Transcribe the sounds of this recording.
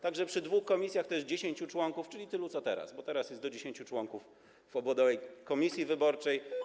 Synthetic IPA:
t̪aɡʐɛpʂɘd̪vuxkɔmʲisʲjaxt̪ɔɛʂd͡ʑeɕeɲt͡ɕut͡ʂwɔŋkuft͡ʂɘlʲit̪ɘlusɔt̪ɛ̰ɾa̰sbɔt̪ɛɾasjɛst̪d̪ɔd͡ʑeɕẽɲt͡ɕut͡ʂwɔŋkuf | vɔbwɔd̪ɔvɛjkɔmʲisʲjivɘbɔɾt͡ʂɛj

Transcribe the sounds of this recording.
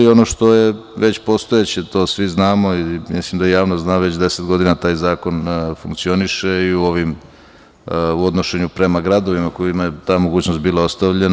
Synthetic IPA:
io̞noʃt̪o̞je̞ʋe̞t͡ɕpo̞st̪ojet͡ɕet̪o̞ːsʋiznaːmo̞imḭslimd̪ajejaːʋnoznaːʋe̞t͡ɕd̪e̞set̪ɡo̞d̪inat̪aːjzaːko̞nfuŋkt̪sio̞niʃe̞iuo̞ʋim | uo̞d̪no̞ʃe̞ɲupɾe̞maɡɾad̪o̞ʋimako̞imajet̪aːmoɡuːt͡ɕnost̪biːlaost̪aʋʎen

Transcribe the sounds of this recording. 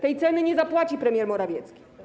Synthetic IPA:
t̪ɛjt̪sɛnɘɲɛzapwat͡ɕipɾɛmʲjɛɾmɔɾavʲjɛt̪skʲi̥

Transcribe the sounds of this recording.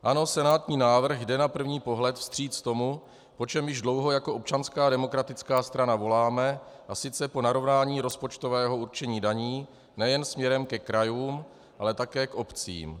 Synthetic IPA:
ʔano̞sɛnaːt̪ɲiːnaːvr̩xdɛnapr̩vɲiːpo̞ɦlɛt̪fst̪r̝̥iːt͡st̪o̞mu | po̞t͡ʃɛmjɪʒdlo̞wɦo̞jako̞ʔo̞p̚t͡ʃanskaːdɛmo̞kɾat̪ɪt͡skaːst̪ɾanavo̞laːmɛ | ʔasɪt͡sɛpo̞naɾo̞vnaːɲiːɾo̞spo̞t͡ʃt̪o̞vɛːɦo̞uɾt͡ʃɛɲiːdaɲiː | nɛjɛnsmɲɛɾɛmkɛkɾajuːm | ʔalɛt̪akɛːkʔo̞pt͡sḭːm

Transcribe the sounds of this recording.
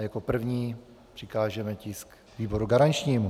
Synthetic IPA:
jako̞pr̩vɲiː | pr̥ɪkaːʒɛmɛcɪsk | viːbo̞ɾuɡaɾant͡ʃɲiːmu

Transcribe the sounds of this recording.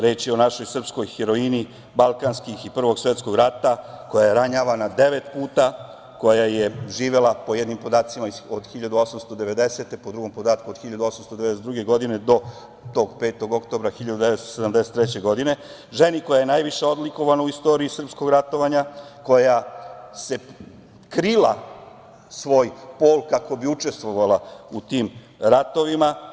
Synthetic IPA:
ɾe̞ːt͡ʃio̞naʃo̞jsr̩psko̞jxeɾo̞ini | balˠkanskixipr̩ʋo̞ɡsʋe̞t̪sko̞ɡɾat̪ako̞jajeɾaɲaːʋanad̪e̞ʋet̪puːt̪a | ko̞jajeʒiːʋe̞lapo̞jed̪nimpo̞d̪aːt̪simaod̪xiʎad̪uo̞samst̪od̪e̞ʋe̞d̪e̞set̪e̞pod̪ɾuɡo̞mpo̞d̪aːt̪kuod̪xiʎad̪uo̞samst̪od̪eed̪eset̪d̪ɾuɡe̞ɡo̞d̪ined̪o̞ | t̪o̞ːɡpe̞ːt̪o̞ɡo̞kt̪o̞bɾaxiʎad̪ud̪eʋet̪st̪osed̪amd̪ese̥t̪ːɾet͡ɕe̞ɡo̞d̪ine̞ | ʒe̞niko̞jajenaːjʋiʃe̞o̞d̪liko̞ʋanauist̪o̞ɾiisr̩psko̞ɡɾat̪o̞ʋaɲako̞jase̞ | kɾila̰ | sʋo̞ːjpo̞ːlkakobiut͡ʃe̞st̪ʋo̞ʋalaut̪iːm | ɾat̪o̞ʋima

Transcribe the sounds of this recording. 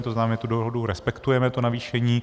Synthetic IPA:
t̪oznaːmɛt̪udoɦoduɾɛspɛkt̪ujɛmɛt̪onaviːʃɛɲiː

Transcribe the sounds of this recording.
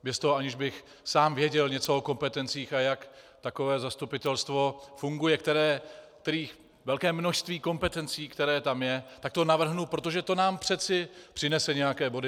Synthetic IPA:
bjɛst̪oɦoʔaɲɪʒbɪx | saːmvjɛɟɛlɲɛt͡so̞oko̞mpɛt̪ɛnt͡siːxajak | t̪ako̞vɛːzast̪upɪt̪ɛlst̪vo̞fuŋɡujɛk̚t̪ɛɾɛːkt̪ɛɾiːx | vɛlkɛːmnoʃst̪viːko̞mpɛt̪ɛnt͡siːkt̪ɛɾɛːt̪amjɛt̪akt̪o̞navr̩ɦnupɾo̞t̪oʒɛt̪o̞naːmpr̝̥ɛt͡sɪpr̥ɪnɛsɛɲɛjakɛːbo̞dɪ

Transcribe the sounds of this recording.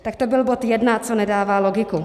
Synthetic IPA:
t̪ak̚t̪obɪlbot̪jɛdnat͡sonɛdaːvaːlo̞ɡɪku

